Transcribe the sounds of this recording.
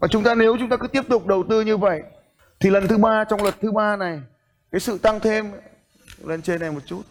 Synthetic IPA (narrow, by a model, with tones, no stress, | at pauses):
vaː˨˩t͡ɕʊ˨˦ŋ͡mt̪aː˧ne˨˦wt͡ɕʊ˨˦ŋ͡mt̪aː˧kɨ˨˦t̪i˦˥əp̚t̪ʊ˨˩k͡p̚ɗə˨˩wt̪ɨ˧ɲɨ˧və̰˧˨j | t̪ʰi˨˩lə˨˩nt̪ʰɨ˨˦ɓaː˧t͡ɕɔ˧wŋ͡mlwə˨˩t̚t̪ʰɨ˨˦ɓaː˧na˨˩j | kaː˨˦jsɨ̰˧˨t̪a˧ŋt̪ʰe˧m | le˧nt͡ɕe˧na˨˩jmo˨˩t̚t͡ɕu˦˥t̚